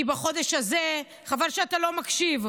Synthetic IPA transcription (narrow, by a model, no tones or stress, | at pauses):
ibaχo̞d̪eʃhaze | χavaʁʃeat̪alo̞makʃiv